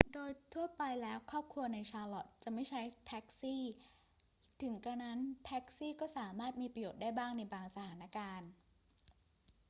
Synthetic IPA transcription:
doː˧jt̪ʰu˥˩ɐpa˧jlɛː˦˥wkʰɔː˥˩p̚kʰɾu˧ɐna˧jt͡ɕʰaː˧lɔ˨˩t̪̚t͡ɕa˨˩ma˥˩jt͡ɕʰa˦˥jt̪ʰɛ˦˥k̚siː˥˩ | t̪ʰɯ˩˦ŋka˧na˦˥nt̪ʰɛ˦˥k̚siː˥˩kɔː˥˩saː˩˦maː˥˩t̪̚miː˧pɾa˧joː˨˩t̪̚daː˥˩jbaː˥˩ŋna˧jbaː˧ŋsa˧t̪ʰaː˩˦na˦˥kaː˧n

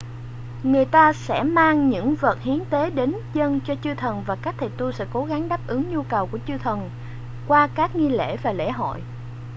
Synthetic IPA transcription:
ŋɨ˨˩əjt̪aː˧sɛ̰˧˥maː˧ŋɲɨ̰˧˥ŋvəː˨˩t̚hi˨˦ənt̪e˨˦ɗe˨˦nzə˧nt͡ɕɔ˧t͡ɕɨ˧t̪ʰə˨˩nvaː˨˩kaː˦˥k̚t̪ʰə˨˩jt̪u˧sɛ̰˧˥ko˨˦ɣa˨˦ŋɗaː˦˥p̚ʔɨ˨˦ŋɲu˧kə˨˩wku˧˩ət͡ɕɨ˧t̪ʰə˨˩n | kwaː˧kaː˦˥k̚ŋi˧lḛ˧˥˩vaː˨˩lḛ˧˥ɦo̰˧˨j

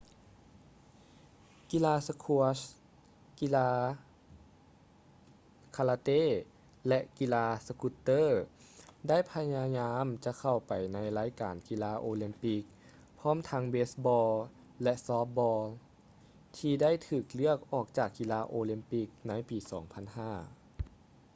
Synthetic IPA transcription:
ki˧laː˧sa˧kʰu˧əs | ki˧˥laː˧ | kʰa˧laː˧t̪eː˧˥˨ | lɛ˧˥ʔki˧laː˧sa˧ku˧˥t̪ːɤː˥˩ | da˥˩˨jpʰa˧ɲaː˧ɲaː˧˥mt͡ɕa˧˦kʰa˨˩wpa˨˩jna˧˥jlaː˧˥jkaː˨˩nki˧laː˧˥ʔoː˧li˧mpi˧˥k̚ | pʰɔː˧˥˨mt̪ʰa˧˥ŋbeː˦˥sbɔː˧l | lɛ˧sɔː˧˦˥p̚bɔː˧l | t̪ʰiː˧da˥˨jt̪ʰɯː˨˩k̚lɯ˥˩ək̚ʔɔː˨˩k̚t͡ɕaː˨˩kːi˧laː˧ʔoː˧li˧mpi˧˥k̚na˧˥jpiː˨˩sɔ̰ː˨˩˦ŋpʰa˧˥˨nhaː˧˥˩

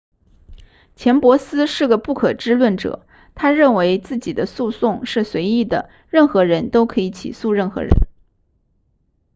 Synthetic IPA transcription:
t͡ɕʰjɛ˧˥npwɔ˧˥sɹ̩˥ʂɻ̩˥˩ɡə˩pu˥˩kʰɤ˨˩ʈ͡ʂɻ̩˥lwə˥˩nʈ͡ʂɤ̰˨˩˦ | t̪ʰa˥ɻə˥˩nwe˧˥ɪt͡sɹ̩˥˩t͡ɕi˨˩d̪ə˦su˥˧sʊ˥˧ŋʂɻ̩˥˩swe˧˥ɪi˥˩d̪ə˩ | ɻə˥˩nxɤ˧˥ɻə˧˥nt̪o˥ʊkʰɤ˧˥i˧˥t͡ɕʰḭ˨˩su˥˧ɻə˥˩nxɤ̰˧˥ɻə̰˧˥n

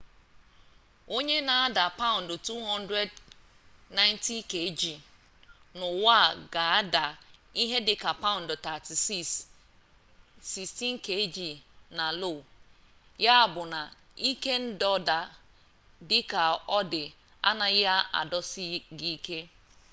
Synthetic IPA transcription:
o˦ɲe˦na˨a˦da˨pa˦ʊ̃˨n̩˨dʊ˨tu˦ɦɔ̃˦n˦dɾe˦d | na˦jnti˦ke˨˦d͡ʒi˨ | nʊ˨wa˦˨ɡa˨a˦da˨i˦ɦe˦dɪ˨ka˨pa˦ʊ˨n̩˨dʊ˨ta˨ti˨ss | si˨sti˦n̩˦ke˨˦d͡ʒi˨na˨lo˦˨ | ja˦a˨bʊ˨na˨ | i˦ke˦n̩˦dɔ˦da˨ | dɪ˦ka˨ɔ˦dɪ˨ | a̰˦na˨ɣɪ˦a˦a̰˨dɔ˦sɪ˦ɡi˦ke˦

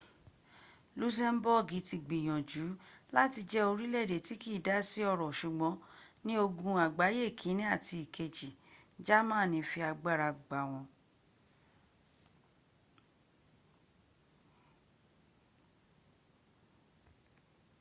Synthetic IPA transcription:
lu˦s̬ɛ˦m˦bɔ˦˨ɡi˨˦ti˧ɡ͡bĩ˨j̃ɔ̃˨d͡ʒu˨˦la˦ti˧d͡ʒɛ˦o˧ɾi˦lɛ˦˨de˨ti˨˦ki˦˨da˦si˦ɔ˧ɾɔ˨ʃu˨ɡ͡bɔ̃˨˦nĩ˦o˧ɡũ˧a˨ɡ͡ba˨˦je˦˨kʰĩ˨˦nĩ˦a˦˨ti˧i˨kʰe˧d͡ʒi˨ | d͡ʒa˦mã˦˨nĩ˧fi˧a˧ɡ͡ba˦˨ɾa˧˨ɡ͡ba˨˦w̃ɔ̃˧

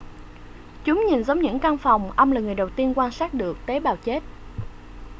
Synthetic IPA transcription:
t͡ɕʊ˨˦ŋ͡mɲi˨˩nzə˨˦ŋ͡mɲɨ̰˧˥ŋkaː˧ŋfa˨˩wŋ͡mʔə˧wŋ͡mlaː˨˩ŋɨ˨˩əjɗə˨˩wt̪i˧ənkwaː˧nsaː˦˥t̚ɗɨ˨˩ək̚t̪e˨˦ɓaː˨˩wt͡ɕe˦˥t̚

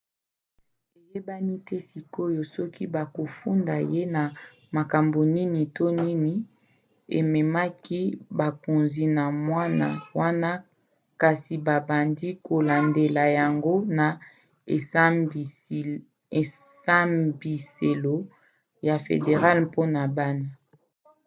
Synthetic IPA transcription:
e˨je˦ba˦ni˦tɛ˦si˨ko˦jo˨sɔ˦kʰi˦ba˨ko˨fu˦nda˨je˦na˨ | ma˨ka˨mbo˨ni˦ni˨to˦ni˦ni˨ | ḛ˨mɛ˨ma˦ki˦ba˨ko˨nzi˨na˨mwa˦na̰˨wa˦na˦ | ka˨si˨ba˨ba˨ndi˦ko˨la˨nde˨la˨ja˨ŋɡo˦na˨˦˨ | sa˦mbi˨se˨lo˦ | ja˨fḛ˨de˨ʁa˦lpo˦na˨ba˦na˨

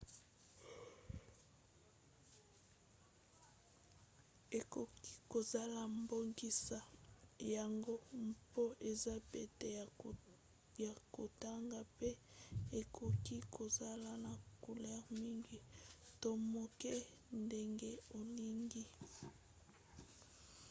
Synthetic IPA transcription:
e˨ko˨ki̥˦ko˨za˦la˨mbo˦ŋɡi˦sa˨ja˨ŋɡo˦mpo˦ʔe˨za˦pe˨te˨ | ja˨ko˨ta˦ŋɡa˨pe˦e˨kʰo˨ki˦kʰo˨za˦la˨na˨ko˨lɛ˦ʁmi˦ŋɡi˨to˦mo˨ke˦ | nde˦ŋɡe˦o˨li˦ŋɡi˦

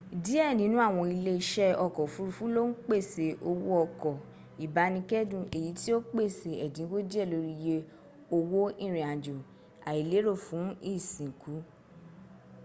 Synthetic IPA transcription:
di˨˦ɛ˦˨nĩ˨˦nũ˦a˦˨w̃ɔ̃˧i˧le˧i˧˦ʃɛ˦ɔ˧˨kɔ˨fu˨˦ɾu˧fũ˦lo˦n̩˦k͡pe˦˨se˨ʔo˧wo˦ɔ˧˨kɔ˨ | i˨ba˨˧˦nĩ˧kɛ˦dũ˨e˨ji˨˦ti˦o˦k͡pe˦˨se˨ɛ˨dĩ˨˦ko˦d͡ʒi˦ɛ˦˨lo˧˦ɾi˦˧je˦˧ | o˧wo˦ĩ˦˨ɾ̃ĩ˨ã˨d͡ʒo˨ | a˨i˨le˨˦ɾo˦˨fũ˨˦i˦˨sĩ˨ku˨˦

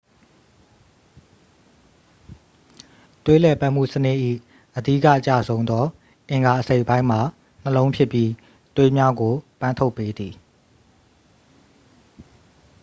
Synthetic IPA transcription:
twe˦lɛ˦˨pa˦ʔm̥ṵ˦˨sənɪ˦ʔʔḭ˦˨ | ʔədi˦˨kä̰˦˨t͡ɕä̰˦˨zõ˦ʊ̃nd̪ɔ˦ | ʔɪ̃˨ŋɡa˨ʔəse˦ɪʔpã˦ɪ̃m̥a˨ | n̥əlõ˦ʊ̃pʰjɪ˦˨pːji˦ | t̪we˦mja˦ɡo˨pã˦ntʰo˦ʊpːe˦d̪i˨

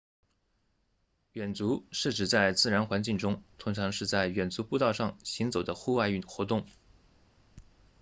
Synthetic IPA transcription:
ɥɛ˨˩nt͡su˧˥ʂɻ̩˥˩ʈ͡ʂɻ̩˨˩t͡sa˥˩ɪt͡sɹ̩˥˩ɻa˧˥nxwa˧˥nt͡ɕi˥˩ŋʈ͡ʂʊ˥ŋt̪ʰʊ˧˥ŋʈ͡ʂʰɑ˧˥ŋʂɻ̩˥˧t͡sa˥˩ɪɥɛ˨˩nt͡su˧˥pu˥˧t̪ɑ˥˧ʊʂɑ˥˩ŋɕi˧˥ŋt͡so˨˩ʊd̪ə˦xu˥˧wa˥˧ɪ˥˩xwɔ˧˥t̪ʊ˥˩ŋ

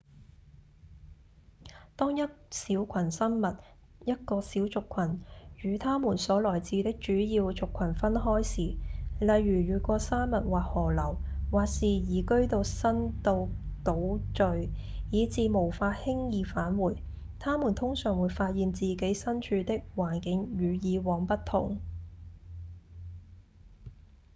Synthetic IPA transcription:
t̪ɔː˥ŋjɐ˥t̚siː˨˥wkʷʰɐ˨˩nsɐ˥nmɐ˨t̚ | jɐ˥t̚kɔː˧siː˨˥wt͡sʊ˨kʷʰːɐ˨˩njyː˨˧t̪ʰaː˥muː˨˩nsɔː˨˥lɔː˨˩jt͡siː˧t̪ɪ˥k̚t͡ʃyː˨˥jiː˧wt͡sʊ˨kʷʰːwɐ˨˩nfɐ˥nɦɔː˥jsiː˨lɐ˨jɥyː˨˩jyː˨˩kʷɔː˧saː˥nmɐ˨t̚waː˨k̚hɔː˨˩lɐ˨˩wwaː˨k̚siː˨jiː˨kɵ˥ɥt̪o˧wsɐ˥nt̪o˧wt̪o˨˥wt͡ʃɵ˧ɥjiː˨˧t͡siː˧mo˨˩wfaː˧t̚hɪ˥ŋjiː˨˧faː˨˥nwuː˨˩j | t̪ʰaː˥muː˨˩nt̪ʰʊ˥ŋsœː˨˩ŋwu˨˧jfaː˧t̚jiː˨nt͡siː˨ke˨˥jsɐ˥nt͡ʃʰyː˨˧t̪ɪ˥k̚waː˨˩nkɪ˨˧ŋjyː˨˧jiː˨˧wɔː˨˧ŋpɐ˥tt̪ʰʊ̰˨˩ŋ

